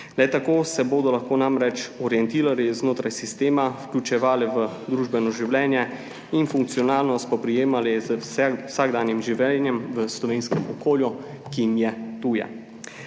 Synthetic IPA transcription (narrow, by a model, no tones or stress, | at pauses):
lɛt̪akoːsɛboːd̪ɔlaxkoːnamɾɛt͡ʃɔɾjɛnt̪iːɾaɾiznoːt̪ɾajsist̪eːmawklʲut͡ʃɛʋaːlɛʋə | d̪ɾuːʒbɛnɔʒiwlʲɛːnjɛ | infuŋk̚t̪sijɔnaːlnɔst̪̚pɔpɾijeːmalɛzəwsaɡd̪aːnjimʒiʋɛlnjɛmʋəslɔʋeːnskɛmɔkoːlju | kimjɛt̪uːjɛ̰